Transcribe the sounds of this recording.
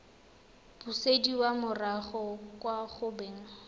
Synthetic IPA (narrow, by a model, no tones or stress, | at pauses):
b̥usediwamʊraχɔkʼwaχʊbeːŋ̩